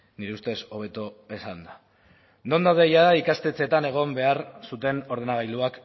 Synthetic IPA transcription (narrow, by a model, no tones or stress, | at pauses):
niɾe̞ust̪e̞so̞β̞e̞t̪oe̞sand̪a | no̞nd̪awðe̞jaðaikast̪e̞t͡se̞t̪ane̞ɣ̞o̞mbe̞aɾsut̪e̞no̞ɾð̞e̞naɣ̞ajld̪uak